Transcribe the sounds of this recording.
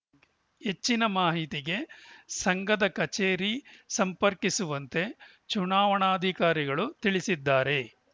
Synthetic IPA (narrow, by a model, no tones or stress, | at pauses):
he̞t͡ʃːinɐmaːɦit̪iɡe̞sɐŋɡɐd̪ɐkɐt͡ʃeːɾisɐmpɐɾkisuʋɐnt̪e̞ | t͡ʃunaːʋɐɳaːd̪ʱikaːɾiɡɐɭut̪iɭisid̪ːaːɾe̞